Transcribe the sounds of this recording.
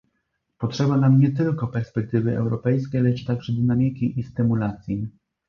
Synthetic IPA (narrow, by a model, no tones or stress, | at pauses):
pɔtʂɛbanamɲɛt̪ɘlkɔpɛɾspɛk̚t̪ɘvɘʔɛ̰wɾɔpɛjskʲejlɛt͡ʂt̪aɡʐɛd̪ɘnamʲikʲiʔist̪ɘmulat̪sʲji